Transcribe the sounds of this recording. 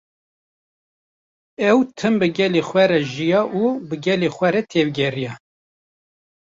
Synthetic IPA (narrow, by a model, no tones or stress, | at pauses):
ɛwt̪ʰɨmbɨɡɛlexʷwɛɾɛʒijɑːʔubɨɡɛlexʷɛɾɛt̪ʰeːvɡʲɛrijɛ